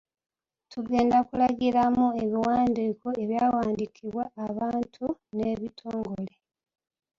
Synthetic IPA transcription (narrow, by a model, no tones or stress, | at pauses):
tuɡe̞ːndakulaɡiɾamue̞βiwaːndikoe̞βjaːwaːndikʰiβwaːβaːntʰune̞βitʰoːŋɡo̞le̞